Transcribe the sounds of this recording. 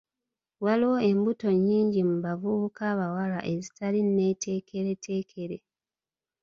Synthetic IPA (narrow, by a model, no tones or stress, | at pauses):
waliwoe̞mbuto̞ɲːiːɲɟimuβavuβukaːβawala̰ʔe̞zi̥talinne̞tʰe̞ːkʰe̞ɾe̞tʰe̞ːkʰe̞ɾe̞